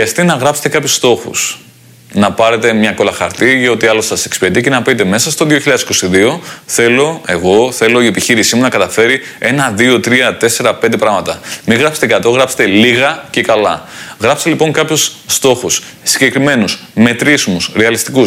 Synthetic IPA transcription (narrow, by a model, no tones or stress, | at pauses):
xɾiɐst̪inɐɣɾɐpset̪e̞kɐpçust̪o̞xṵs | nɐpɐɾe̞t̪e̞mɲɐko̞lɐxɐ̰ɾt̪iʝɐo̞t̪iɐlo̞sɐsekspet̪ice̞nɐpit̪e̞me̞sɐst̪o̞ðioçiʎɐðesiko̞siðio̞θe̞lo̞e̞ɣo̞θe̞lo̞ie̞piçiɾisimunɐkɐt̪ɐfe̞ɾi | e̞nɐðio̞t̪ɾiɐt̪e̞se̞ɾɐpend̪epɾɐɣmɐt̪ɐmiɣɾɐpset̪ekɐt̪o̞ɣɾɐpse̥t̪e̞liɣɐce̞kɐlɐɣɾɐpse̥t̪elipo̞ŋkɐpçusːt̪o̞xus | siɲɟe̞kɾime̞nusme̞t̪ɾizmusɾeɐlist̪ikus